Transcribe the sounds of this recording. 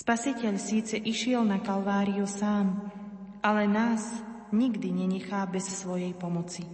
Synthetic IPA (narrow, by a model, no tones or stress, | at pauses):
spasicɛʎsiːt͡sɛʔiʃɪɛlnakalʋaːɾiusaːm | alɛnaːzɲiɡd̪iɲɛɲɛxaːbɛssʋɔjɛjpɔmɔt͡si